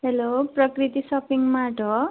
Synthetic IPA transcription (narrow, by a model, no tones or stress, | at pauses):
ɦeloprʌkrit̪isʌpiŋmaʈʌ